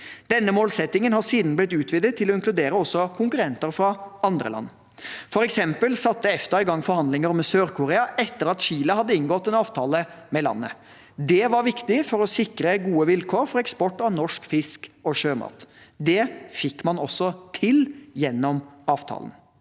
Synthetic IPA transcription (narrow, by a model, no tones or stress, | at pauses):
d̪̥ɛnːəmoːlsɛt̪ːɪŋənhɑsiːd̪n̩blɪt̪ʉːt̪ʰʋɪd̪ət̪ʰːɪlɔɪnklʉd̪eːɾəɔsːɔkʰʊŋkʉɾɛnt̪əɾfɾɑɑnd̪ɾə̰lɑ̰nː | fɔɾɛksɛmpəlsɑt̪ːəɛft̪əɾɪɡɑŋːfɔɾhɑnd̪lɪŋəɾɔmsøːɾkʰʊɾeːɑʔɛt̪ːəɾɑt̪ɕiːləhɑd̪ːəɪnɡɔt̪ːɛnɑːʋt̪ʰɑːləmɛlɑ̰nːə̰ | d̪ɛʋɑɾʋɪkt̪ɪfɔɾɔsɪkɾəɡuːəʋɪlkʰoːɾfɔɾɛkspɔʈːɑʋnɔʂkfɪskɔɕøːmɑ̰ːt̪d̪ɛfɪkːmɑnɔsːɔt̪ʰɪljɛnːɔmɑːʋt̪ʰɑ̰ːlə̰n